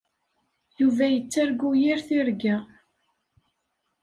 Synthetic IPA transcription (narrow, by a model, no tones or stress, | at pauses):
juvæjət͡sːæɾɡujiɾθiɾɡæ